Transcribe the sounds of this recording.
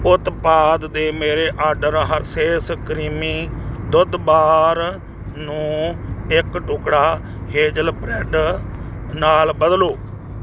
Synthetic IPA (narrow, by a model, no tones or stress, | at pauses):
ʊt̪paːd̪d̪eːmeːɾeːʔaːɾɖəɾɦəɾseːsəkɾiːmiːd̪ʊd̪baːɾ | nũːɪkʈʊkɽaː | heːd͡ʒəlpɾɛːɖ | naːlbəd̪loː